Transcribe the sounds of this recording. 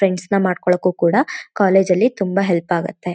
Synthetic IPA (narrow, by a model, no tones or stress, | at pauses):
ɾeɳɖsnɐmaːɖkɔɭɐkːuːkuːɽɐkaːle̞ːd͡ʒɐlːit̪umbɐɦelpaːɡut̪ːe̞